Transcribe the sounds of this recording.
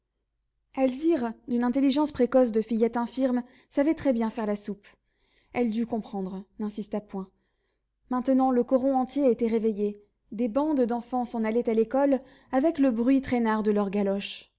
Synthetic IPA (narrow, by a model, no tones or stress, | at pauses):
alziʁd̪ynɛ̃t̪eliʒɑ̃spχekɔsd̪əfijɛt̪ɛ̃fiʁm | savɛt̪χɛbjɛ̃fɛʁlasup | ɛld̪ykɔ̃pχɑ̃d̪ʁnɛ̃sist̪apwɛ̃ | mɛ̃t̪ənɑ̃ləkɔʁɔ̃ɑ̃t̪jeet̪ɛʁeveje | d̪ebɑ̃d̪d̪ɑ̃fɑ̃sɑ̃nalɛt̪alekɔl | avɛkləbʁɥit̪χɛnaʁd̪əlœʁɡalɔʃ